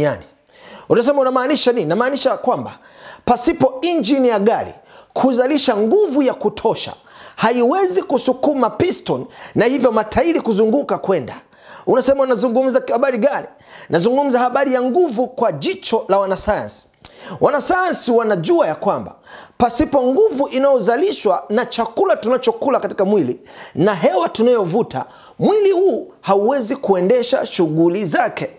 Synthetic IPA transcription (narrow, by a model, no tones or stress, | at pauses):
a̰ni | unas̬ɛmaunamaːniʃanininamaːniʃakwamba | pasipɔiɲd͡ʒinijaɡaɾḭ | kʰuzaliʃaŋɡuvujakutʰɔʃa̰ | haiwɛzikusukumapistɔnnahivjɔmatʰaiɾikuzuŋɡukakwɛnda | unasɛmaunazuŋɡum̩zahaɓaɾiɡaɾi | nazuŋɡum̩zahaɓaɾijaŋɡuvukwaʄit͡ʃɔlawanasaja̰nsi̥wanasajansiwanaʄuajakwamba̰pasipɔŋɡuvuʔinajɔzaliʃwanat͡ʃakulatunat͡ʃɔkulakati̥kamwilinaɦɛwatunajɔvuta̰ | mwilihuː | hauwɛzikuɛndɛʃa̰ʃuɡulizakɛ